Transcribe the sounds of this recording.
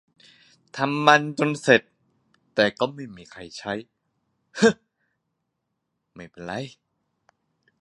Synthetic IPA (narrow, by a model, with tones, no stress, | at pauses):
t̪ʰa˧mːa˧nt͡ɕo˧nse˨˩t̪̚ː | ɛː˨˩kɔː˥˩ma˥˩jmiː˧kʰa˧jt͡ɕʰa˦˥j | hɤ˧˥ | ma˥˩jpe˧nɾa˧˥j